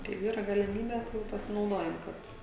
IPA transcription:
kɐɪ ˈiːrɐ ɡɐlʲɪˈmʲiːbʲɛ ˈjɛʊ pɐsʲɪnɐʊˈdoːjɛm ˈkɐt

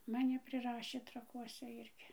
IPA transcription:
mɐˈnʲɪ pʲrʲɪˈrɑːʃʲeː trɐˈkuɔsʲɛ ˈɪrʲɡʲɪ

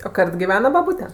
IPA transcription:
oː ˈkɐrt ɡʲɪˈʋʲæːnɐ bɐˈbuːtʲɛ

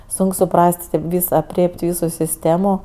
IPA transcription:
ˈsʊŋk sʊˈprɐsʲtʲ tʲeːp ˈʋʲiːs ɐpʲˈrʲeːpʲtʲ ˈʋʲiːsʊ sʲɪsʲˈtʲeːmʊ

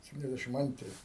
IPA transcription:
sʲɛpʲtʲɪnʲɛzʲˈdʲæʃʲɪm ˈɐnʲtʲrʲɪ

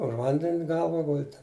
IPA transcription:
ʊʃ ˈʋɐnʲdʲɛnʲ ˈɡɐlˠʋɐ ˈɡʊlʲdʲɪ

